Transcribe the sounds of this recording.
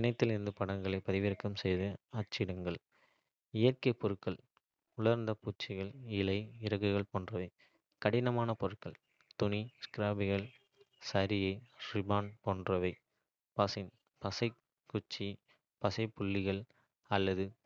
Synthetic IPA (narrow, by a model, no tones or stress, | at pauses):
ɪnɐɪt̪ːɪlɪɾɯnd̪ɯpɐɽɐŋɡɐɭɐɪpːɐðɪʋɪɾɯkːɐmsɛjðɯɐt͡ʃːɪɽɐŋɡɐɭ | ɪjɐrkɐɪpɔɾɯkːɐɭ | ʊɭɐɾnd̪ɐpuːt͡ʃːɪɣɐɭɪlɐɪɪɾɐɣɐɣɐɭpoːndrɐʋɐɪ | kɐɽɪnɐmaːnɐpɔɾɯkːɐɭ | t̪ʊniskɪɾaːbɪɣɐɭ | sɐɾɪjɐɪɾɪbaːnpoːndrɐʋɐɪ | pɐsɪn | pɐsɐɪ | kːʊt͡ʃːi | pɐsɐɪpːʊɭːɪɣɐɭ | ɐlːɐðɯ